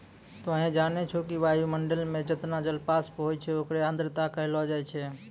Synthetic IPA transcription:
t̪oɦẽd͡ʒanet͡ʃʰokiʋajuməɳɖəlmẽd͡ʒət̪nad͡ʒəlpaspɦojt͡ʃʰɛokɾeand̪ɾɪt̪akəɦlɦɔd͡ʒaɛt͡ʃʰɛ

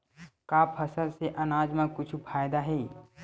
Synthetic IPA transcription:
kaːpʰɐsəlseʔɐnaːd͡ʒmãkʊt͡ʃʰpʰaːjd̪aɦɛː

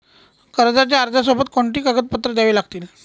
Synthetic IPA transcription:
kəɾd͡zat͡ɕjaːɾd͡zasobət̪koɳʈiːkaɡət̪̚pət̪ɾəd̪jaʋiːlaɡt̪iːl

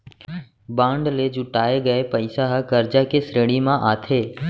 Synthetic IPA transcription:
bãːɳɖled͡ʒʊʈaːeɡəepəɪsaɦkəɾd͡ʒakesɾeːɽ̃imãʔaːt̪ʰeː

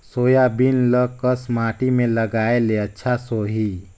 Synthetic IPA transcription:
soːjabinləkəsmaːʈimẽləɡaːeleətːʃʰasoːɦi

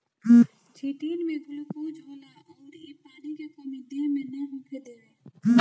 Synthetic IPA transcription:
t͡ʃʰiːʈiːnmẽɡʊlukud͡ʒɦoːla | ɔːɾepaːnikekəmid̪imẽnɐɦukʰed̪eːʋeː

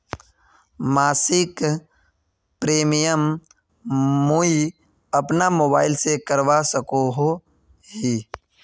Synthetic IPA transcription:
maːsɪk | pɾeːmijəm | mui | ɐpnamoːbaːɪlsekəɾʋasəkoɦo | ɦiː

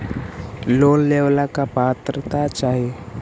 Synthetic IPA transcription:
lolːewlakapat̪ɾət̪at͡ʃaɦe

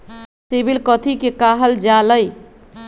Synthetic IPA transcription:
sibilkət̪ʰikekaɦəld͡ʒaləj

